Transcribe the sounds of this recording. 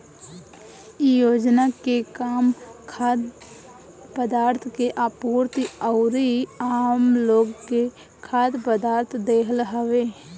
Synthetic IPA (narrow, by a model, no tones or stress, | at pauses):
ijoːd͡ʒnakekaːmkʰaːd̪ | pəd̪aːɾt̪ʰkeʔaːpuːɾt̪iəʊɾiaːmloːɡke | kʰaːd̪pəd̪aːɾt̪ʰd̪eːkʰəlɦəʋeː